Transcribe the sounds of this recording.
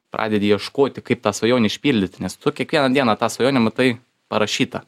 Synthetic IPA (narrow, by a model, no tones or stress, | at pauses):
pɾʔɑ̰ːd̪ʲɛd̪ʲɪjiɛʃkoːt̪ʲɪkɐɪp̚t̪ɑːsʋɐjoːnʲɛɪʃʲpʲiːlʲd̪ʲɪt̪ʲnʲɛst̪ʊkʲiɛkʋʲiɛnɐd̪ʲiɛnɑt̪ɑːsʋɐjoːnʲɪmɐt̪ɐɪ | pɐɾɐʃʲiːt̪ɐ